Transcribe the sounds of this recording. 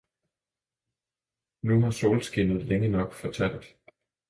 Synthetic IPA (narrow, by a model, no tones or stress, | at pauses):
nuɦɑ̈so̰ːlsɡ̥inð̞̩ˠleŋənɒ̽ɡ̥fɒ̽t͡sʰæl̰d̥